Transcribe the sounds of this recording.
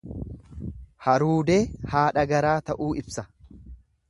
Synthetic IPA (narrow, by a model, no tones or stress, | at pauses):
hɐɾuːd̪eːhaːᶑɐɡɐɾaːt̪ɐʔuːʔɪbsɐ